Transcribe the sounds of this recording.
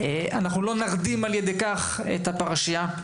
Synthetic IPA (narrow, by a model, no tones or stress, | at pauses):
eʔanaχnulo̞naʁd̪imaljed̪ekaχ | ḛt̪hapaʁaʃija